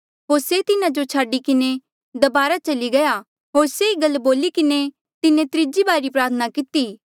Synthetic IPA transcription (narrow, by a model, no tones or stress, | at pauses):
ɦoːɾset̪ɪnãd͡ʒot͡ʃʰaːɖikɪne | d̪ɐbaːɾat͡ʃɐliɡɐja | ɦoːɾseiɡɐlboːlikɪne | t̪ɪnẽt̪ɾɪd͡ʒibaːɾɾipɾaːt̪ʰənakɪt̪iː